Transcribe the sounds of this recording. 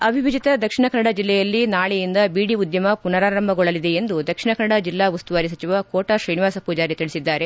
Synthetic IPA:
ɐbʱiʋid͡ʒit̪ɐd̪ɐkʂiɳɐkɐnːɐɽɐd͡ʒilːɛjɐlːinaːɭɛjind̪ɐbiːɽiud̪jɐmɐpunɐɾaːɾɐmbʱɐɡɔɭɐlid̪e̞end̪ud̪ɐkʂiɳɐkɐnːɐɽɐd͡ʒilːaːʋɐst̪uʋaːɾis̬ɐt͡ʃiʋɐkoːʈɐʃɾɐjniʋaːsɐpuːd͡ʒaːɾit̪iɭisid̪ːaːɾe̞

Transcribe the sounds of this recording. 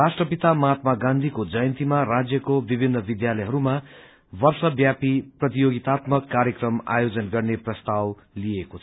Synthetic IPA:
rasʈrʌpit̪amat̪maɡãnd̪ʱikod͡zʌjʌnt̪imarad͡zjʌkobibʱinːʌbid̪jalʌjɦʌɾuma | bʌrsʌbjapiprʌt̪ijoɡit̪at̪mʌkːaɾjʌkrʌma̰jod͡zʌnɡʌrneprʌst̪aw | liekot͡sʰ

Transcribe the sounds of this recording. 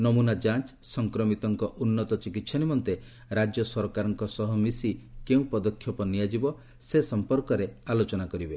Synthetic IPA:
nɔmunad͡ʒant͡ʃ | sɔŋkɾɔmit̪ɔŋkɔʔunːɔt̪ɔt͡ʃikit̪sʰɔnimɔnt̪e | ɾad͡ʒjɔsɔɾkaɾɔŋkɔsɔɦɔmisikeũpɔd̪ɔkʰjɔpɔnijad͡ʒibɔ | sesɔmpɔɾkɔɾealot͡ʃɔnakɔɾibe

